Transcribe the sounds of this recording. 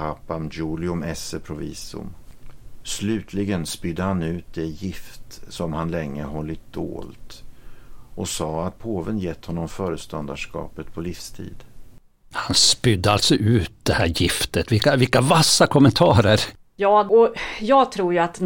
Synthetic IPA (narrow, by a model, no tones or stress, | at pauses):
apːamd͡ʒuːlɪɵmɛsəpʰɾʊvḭːsʊ̰m | slʉ̟ːt̪ʰlɪɡənspʏd̪ːəhanʉ̟ːt̪̚d̪ɛjɪft̪sɔmhanlɛŋːəɦɔlːɪt̪̚d̪̥o̰ːlt̪ | ʔɔsɑːat̪̚pʰoːvənjɛt̪ːhɔnːɔmfœːɾəst̪ɔnd̪aʂkɑ̰ːpət̪pʰɔlifst̪ʰḭːd̪ | hanspʏd̪ːəalt̪sɔʔʉ̟ːt̪̚d̪ɛhæːɾjɪft̪ət̪vɪlkavɪlkavasːakʰɔmɛnt̪ʰɑːɾəɾ | jɑːɔjɑːɡt̪ʰɾuːɾjɵat̪